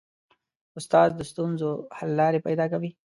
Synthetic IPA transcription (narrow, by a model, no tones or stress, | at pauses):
ʊst̪ɑːzd̪əst̪unzohalːɑːɾepajd̪ɑːkawi